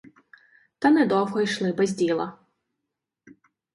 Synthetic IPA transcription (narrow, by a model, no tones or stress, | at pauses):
t̪ɐnɛd̪ɔwɦɔijʃlˠɪbɛzʲdʲilˠɐ